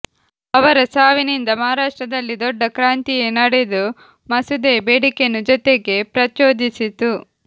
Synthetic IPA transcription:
ɐʋɐɾɐsaːʋinind̪ɐmɐɦaɾaːʂʈɾɐd̪ɐlːid̪ɔɖːɐkɾaːnt̪ijenɐɽed̪u | mɐsud̪eːbeːɽikenud͡ʒɔt̪eɡe̞pɾɐt͡ʃo̞ːd̪isit̪u

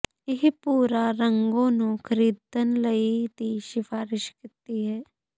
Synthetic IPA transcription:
ɪɦpuːɾaːɾəŋɡõːnũːkʰəɾiːd̪ənləid̪iːʃɪfʰaːɾɪʃkɪt̪iːɦɛː

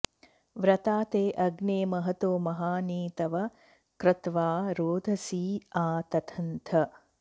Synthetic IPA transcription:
ʋɾɐt̪aːt̪eːʔɐɡneːmɐɦɐt̪oːmɐɦaːniːt̪ɐʋɐ | kɾɪt̪ʋaːɾoːd̪ʱɐsiːaːt̪ɐt̪ʰɐnt̪ʰɐ

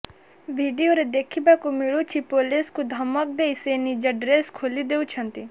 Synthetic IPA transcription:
ʋʱiːɖijoɾed̪eːkʰibakumɪɭot͡ʃʰipoːleskud̪ʱɐmək̚d̪eːiseːnid͡ʒɐɖɾeːskʰoːlid̪eːut͡ʃʰɐ̃nt̪i

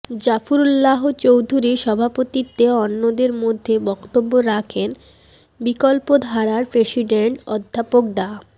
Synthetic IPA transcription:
d͡ʑafuɾulːaɦot͡ɕowd̪ʱuɾiʃɔbʱapot̪it̪ːeɔnːod̪eɾmod̪ʱːebɔkt̪obːoɾakʰen | bikolpod̪ʱaɾaɾpɾesiɖeɳʈɔd̪ʱːapok̚d̪a

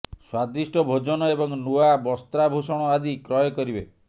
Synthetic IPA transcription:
swad̪isʈɔbʱod͡ʒɔnɔebɔŋnuabɔst̪ɾabʱusɔɽ̃ɔad̪ikɾɔjɔkɔɾibe

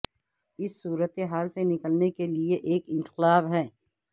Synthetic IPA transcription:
ɪsːuːɾət̪eɦaːlsenɪkəlnekelieʔeːkɪ̃nt̪ɪlaːbɦɛː

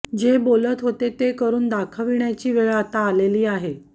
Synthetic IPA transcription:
d͡ʑebolət̪ɦot̪et̪ekəɾuːnd̪akʰəʋiɳjat͡ɕiːʋeɭat̪aːleliːaɦe

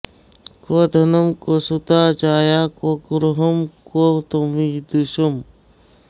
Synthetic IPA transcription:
koːd̪ʱɐnɐmkoːsut̪aːt͡ʃaːjaːkoːkuɾɦɐmkoːt̪omid̪uʃɐm

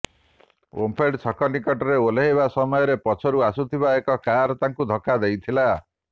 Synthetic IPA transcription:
o̰mpʰeɖsʰɔkɔnikɔʈɔɾeoleɦeβasɔmɔjɔɾepɔt͡ʃʰɔɾuasut̪ʰibaekɔkaɾɔt̪aŋkud̪ʱɔkːad̪ejt̪ʰila

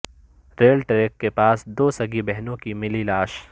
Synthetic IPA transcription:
ɾeːlʈɾeːkːepaːsd̪oːsɐɡibɛɦnõkimɪlilaːʃ

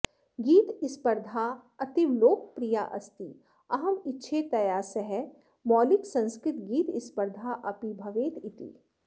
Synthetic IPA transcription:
ɡiːt̪ɪspəɾd̪ʱaɐt̪iʋloːk̚pɾija̰ʔɐ̰st̪i | ɐɦɐmɪtːʃʰet̪ɐjaːsɐɦɛ | mɔːlɪksɐ̃nskɾɪt̪ɡiːt̪ɪspəɾd̪ʱaʔɐpibʱɐʋeːt̪ɪt̪ḭː

